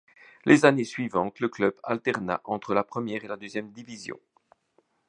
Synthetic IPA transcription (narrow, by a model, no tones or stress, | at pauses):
lʔezanesɥivɑ̃t̪ləklœba̰lt̪ɛʁna̰ʔɑ̃t̪χəlapχəmjɛːʁelad̪øzjɛmd̪ivizjɔ̰̃